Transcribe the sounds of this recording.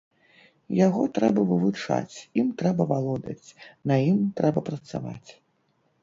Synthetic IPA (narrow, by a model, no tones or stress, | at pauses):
jaɣɔt̪ɾɛbɐvɨvut͡ʂa̰t͡sʲimt̪ɾɛbɐvalˠɔd̪ɐ̰t͡sʲnɐjimt̪ɾɛbɐpɾɐt̪sa̰va̰t͡sʲ